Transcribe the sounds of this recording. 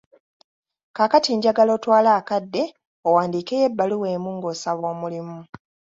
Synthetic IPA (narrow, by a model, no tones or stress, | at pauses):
kaːkatiːɲɟaɡalo̞twaːlaːkadːe̞ | owaːndiːkejebːaluwe̞ːmuːŋɡo̞ːsaβo̞ːmulimu